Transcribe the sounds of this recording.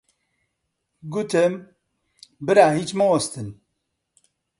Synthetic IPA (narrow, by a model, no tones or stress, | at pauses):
ɡuːt̪ʰɛm | bɨɾaːɦit͡ʃmɐwɐst̪ɨn